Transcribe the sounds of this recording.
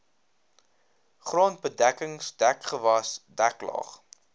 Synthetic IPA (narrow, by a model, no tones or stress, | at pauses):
χroːnbədækəŋsdækχəvɐsdæklɑ̰ːχ